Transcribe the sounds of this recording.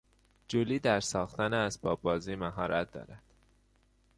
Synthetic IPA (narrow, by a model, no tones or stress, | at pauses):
d͡ʒoliːd̪æɾsɒːxt̪æneæzbɒːbɒːziːmæɦɒːɾʔæt̪̚d̪ɒ̰ːɾæd̪̥